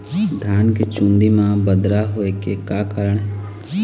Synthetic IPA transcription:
d̪ʱjaːnkit͡ʃũnd̪imãːbəd̪ɾaɦoːekekaːkaːɾəɳɦɛ

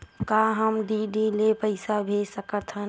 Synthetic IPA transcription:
kaɦəmɖ̪iɖilepəɪsabʱesəkət̪ɦə

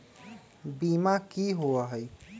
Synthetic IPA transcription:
bimakiɦoəɦəj

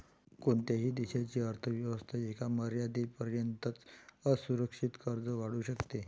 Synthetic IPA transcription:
koɳt̪jaɦiːd̪iɕat͡ɕiːəɾt̪ʰəʋjəʋəst̪ʰaekaməɾjad̪ipəɾjənt̪ət͡səsuɾəkʂit̪kəɾd͡zəʋaɽuːɕəkt̪e

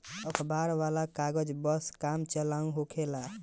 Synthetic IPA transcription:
əkʰbaɾʋalakaɡəd͡ʒbəskamt͡ʃəlaũɦokʰela

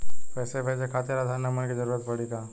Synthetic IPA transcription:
pɛːsebʱeːd͡ʒekʰaːt̪eɾad̪ʱanamənkid͡ʒəɾuːɾət̪pɐɽikaː

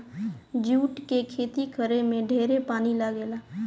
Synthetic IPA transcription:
d͡ʒuːʈkekʰeːt̪ikʰəɾemẽɖʱeːɾepaːnilaɡeːlaː

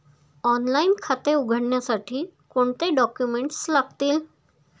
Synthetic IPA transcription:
ɔnlainkʰat̪euɡʱəɽɳjasaʈʰiːkoɳt̪eɖɔkjumeɳʈslaɡ̚t̪iːl

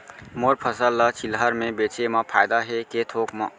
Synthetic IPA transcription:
moɾpʰəsəlːət͡ʃʰilɦəɾmẽbet͡ʃemãpʰaːjd̪aɦeket̪ʰokma

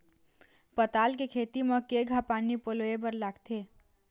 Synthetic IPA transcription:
pət̪aːlkekʰeːt̪iməkeɡʱapaːnipoloebəɾlaːɡt̪ʰeː

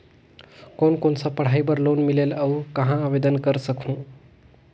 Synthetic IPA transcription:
konkonsəpəɽ̤ajbəɾlonmileləwkəɦãːbed̪ənkəɾsəkʰũ

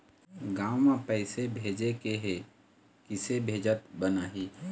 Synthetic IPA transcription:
ɡaːmãpɛɪsebʱeːd͡ʒekeɦe | kɪsebʱeːd͡ʒət̪bənaːɦiː

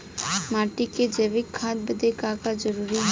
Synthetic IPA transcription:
maːʈiked͡ʒeːʋɪkʰːaːt̪̚bəd̪ekaːkad͡ʒɐɾuːɾiɦ

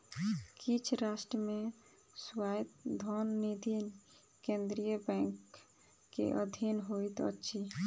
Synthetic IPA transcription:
kit͡ʃʰɾasʈɾəme | swajt̪d̪ʱɔnːid̪ʱin | kẽnd̪ɾijəbɛ̃ŋkː | ḛʔə̰d̪ʱinɦojt̪ə̰tːʃʰi

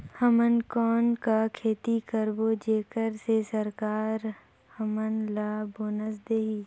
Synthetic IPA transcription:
həmənkɔːnkakʰeːt̪ikəɾbod͡ʒeːkəɾsesəɾkaːɾ | həmənlaːboːnəs̬d̪eːɦiː

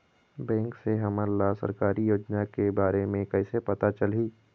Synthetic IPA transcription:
bɛ̃ːŋkseɦɐməɾlasə̰ɾkaːɾijoːd͡ʒnakebaːɾemẽkɛɪsepɐt̪at͡ʃɐlɦiː

